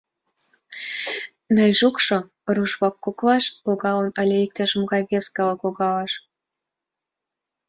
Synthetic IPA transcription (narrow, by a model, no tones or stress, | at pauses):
nɑjʒukʃŏ | ruʒβɑkːoklɑʃoɣɑlənɑlʲeik̚t̪æʒə̆moɣɑjβeskɑlɑkoɣɑlɑʃ